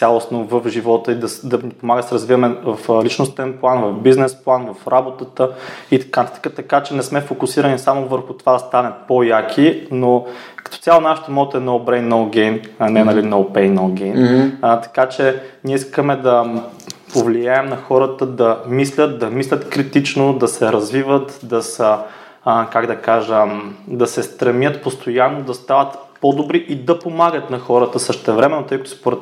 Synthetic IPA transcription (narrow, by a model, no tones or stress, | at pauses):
t̪ʲalˠosnovəfʒivɔt̪əid̪ɐsd̪ɐnipomaɡəsɛɾəzvivəmɛvɐflit͡ʃnost̪ɛnplˠanvɐfbiznɛsplˠanvɐfɾabot̪ət̪əit̪ɐ̥kat̪ɐkat͡ʃɛnɛsmɛfokʊsiɾənisamovəɾxʊt̪ovad̪ɐst̪anət̪̚pojakʰinokə̥t̪ɔ̥t̪sʲalˠonaʃɛ̥t̪omɔt̪ɛnoʊbɾɛjnoɡʲɛjnɐnɛnɐlinoʊpɛjnowɡʲɛjnt̪ɐ̥kat͡ʃɛnʲiɛiskəmɛd̪ɐ | povlijaɛmnɐxɔɾət̪əd̪ɐmislʲət̪̚d̪ɐmislʲət̪kɾit̪it͡ʃnod̪ɐsɛɾɐzvivət̪d̪ɐsə | kaɡd̪ɐkaʒəmd̪ɐsɛst̪ɾɐmʲjət̪post̪ojanːod̪ɐst̪avət̪pod̪obɾiʔid̪ɐpomaɡət̪nɐxɔɾət̪əsɤʃt̪t̪ɛvɾɛmɛnːot̪ɤjkət̪ʊ̥spoɾɛt̪